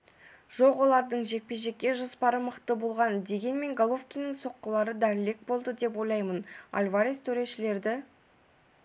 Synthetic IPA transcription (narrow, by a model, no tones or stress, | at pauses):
ʒ̥o̞qwo̞lˠɑɾd̪əɴʒe̞k̚pe̞ʒe̞kʲːe̞ʒʊspɑɾəməqt̪əbo̞lˠʁɑnd̪e̞ɡʲe̞nme̞ŋɡolˠofkʲijnəŋso̞qːəlˠɑɾəd̪æɾɪle̞k̚bo̞lˠd̪əd̪e̞p̬wo̞jlˠɑjməna̰lʲvaɾʲist̪ʰɵɾe̞ʃɪle̞ɾd̪ɪ